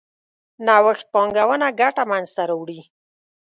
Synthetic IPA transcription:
nawəxt̪̚pɑŋɡawənaɡaʈamanzt̪aɾawɽi

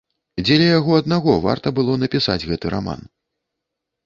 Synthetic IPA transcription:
d͡zʲɛlʲɛjaɣɔɐd̪naɣɔva̰rt̪ɐbɨlˠɔnɐpʲisa̰d͡zʲɣɛt̪ɨɾa̰ma̰n

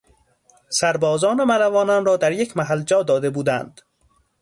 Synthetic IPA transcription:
sæɾbɒːzɒːnemæɾævɒːnɒnɾɒːd̪æɾjecʰmæɦæld͡ʒɒːd̪ɒːd̪e̞buːd̪ænd̪̥

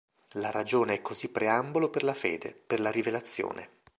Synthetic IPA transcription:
laɾad͡ʒoːneɛkːozipːɾeamboloperlafḛːd̪ḛperlaɾivelat̪sːjo̰ːnḛ

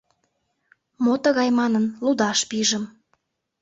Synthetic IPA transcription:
mot̪əɣɑjmɑnənlud̪ɑʃpiʒə̆m

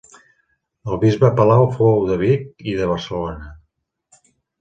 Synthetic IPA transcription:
əlˠβizβəpəlawfoəwðəβ̞ikiðəβ̞ərsəlonə

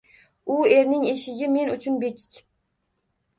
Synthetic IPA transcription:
ʊe̞ɾnɪŋeʃɪɡʲɪme̞nʊt͡ʃʰʊnbekʲʰɪ̥kʲ

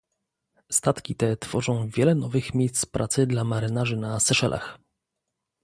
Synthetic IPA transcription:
st̪at̪kʲit̪ɛt̪fɔʐɔ̃w̃vʲjɛlɛnɔvɘxmʲjejst̪spɾʔat̪sɘd̪lamaɾɘnaʐɘnasɛʂɛlʔa̰x

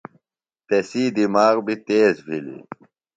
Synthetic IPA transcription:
t̪esiːd̪imaːɣbit̪eːzbʱilḭ

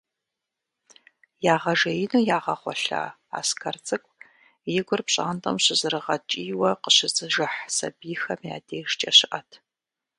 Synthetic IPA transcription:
jaːʁɐʒɐjɪnuːjaːʁɐχʷɔ̰ɬa̰ː | a̰ːskʰɐrt͡sʼɨkʷʼ | jɪɡʷʊrpɕʼa̰ːntʼɐ̰mɕɪzɨrɨʁɐt͡ʃʼiːwɐqəɕɪzɨʒɨħsɐ̰biːxɐmja̰ːdeːʒt͡ʃʼɐɕɪʔɐtʰ

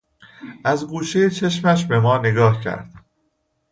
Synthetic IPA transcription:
ʔæzɡuːʃejet͡ʃʰe̞ʃmæʃ̬be̞mɒːne̞ɡɒːhcʰæ̰ɾd̪̥

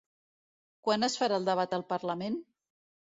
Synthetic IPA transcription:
kwanəsfəɾaəlˠd̪əβ̞at̪əlˠpəɾləmen

